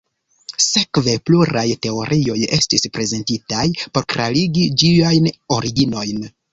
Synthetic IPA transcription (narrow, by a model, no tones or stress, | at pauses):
se̞kve̞pluɾajte̞o̞ɾʔio̞je̞stispɾe̞ze̞ntitajpo̞ɾkɾaliɡid͡ʒiajno̞ɾiɡino̞jn